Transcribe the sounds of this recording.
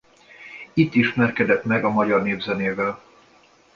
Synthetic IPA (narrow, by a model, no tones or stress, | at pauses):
it̪ːiʃmɛrkɛd̪ɛt̪mɛɡɒmɒɟɒrneːvzɛneːvɛl